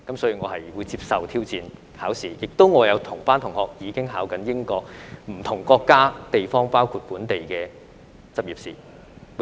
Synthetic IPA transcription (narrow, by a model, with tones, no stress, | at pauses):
kɐ˨˥msɔː˨˥jiː˧ŋɔː˨˧hɐ˨jwuː˨˧jt͡siː˧p̚sɐ˨wt̪ʰiː˥wt͡siː˨n | haː˨˥wsiː˨jɪ˨k̚t̪o˥wŋɔː˨˧jɐ˨˧wt̪ʰʊ˨˩ŋpaː˥nt̪ʰʊ˨˩ŋhɔː˨k̚jiː˨˧kɪ˥ŋɦaː˨˥wkɐ˨˥njɪ˥ŋkɔː˧k̚m̩˨˩t̪ʰʊ˨˩ŋkɔː˧kːaː˥t̪e˨jfɔː˥ŋpaː˥wkʰuː˧t̚kuː˨˥nt̪e˨jkɛː˧ | t͡sɐ˨p̚jiː˨p̚siː˨˩